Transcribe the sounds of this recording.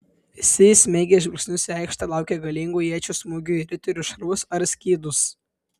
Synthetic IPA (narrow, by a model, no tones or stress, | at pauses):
ɪsʲɪsʲmʲɛɪɡʲeʒʲʋʲɪlʲsʲnʲʊsʲɛˑɪkʃt̪ɑlˠɑˑʊkʲeɡɐlʲiŋɡuːjiɛt͡ʃʲusmuːɡʲuːɪɾʲɪt̪ʲʊɾʲuʃɐɾʊsɐɾsʲkʲiːd̪ʊs